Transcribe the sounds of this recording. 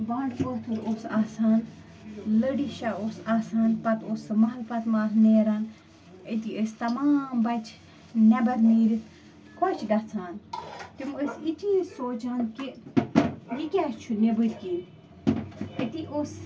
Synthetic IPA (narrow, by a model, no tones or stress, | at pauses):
baːɳɖpot̪ʰuɾosaːsaːn | ləɽiʃɐoːsaːsaːnpɐt̪oːsmɐɦlpɐt̪maːsneːɾaːn | ət̪iəst̪ɐmaːmbɐt͡ʃʰ | nɐbɐɾmiːɾʲi | kot͡ʃʰɡɐt͡sʰaːnt̪iməsiʈʰiːsoːt͡ʃʰanki | jikʲaːt͡ʃʰunebɨɾʲkiː | ət̪iʔoːs